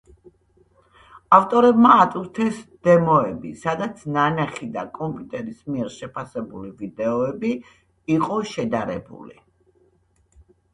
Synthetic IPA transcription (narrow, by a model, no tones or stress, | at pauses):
aft̪ʼɔɾɛbmaːt̪ʼuɾt̪ʰɛsd̪̥ɛmɔɛbḭsad̪at̪sʰnanaχid̪a̰kʼɔmpʼjut̪ʼɛɾismiɛɾʃɛpʰasɛbulivid̪ɛɔɛbiː | qʼɔʃɛd̪aɾɛbṵlḭ